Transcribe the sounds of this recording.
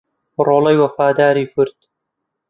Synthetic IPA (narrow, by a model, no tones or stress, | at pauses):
roːlɐjwɐfaːd̪aːɾiːkʰʊɾt̪